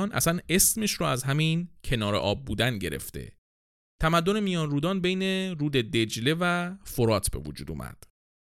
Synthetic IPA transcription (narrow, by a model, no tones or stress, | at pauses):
nʔæ̰sæne̞smiʃɾɔæzɦæmincʰe̞nɒːɾe̞̰ʔɒːb̚ːuːd̪ænɟe̞ɾḛft̪e̞̰ | t̪ʰæmæd̪ːo̞ne̞mijɒːnɾuːd̪ɒːnbe̞jne̞ɾuːd̪e̞d̪e̞d͡ʒle̞væfoɾɒːt̪ʰbe̞̰vod͡ʒṵːd̪ṵːmæ̰d̪̥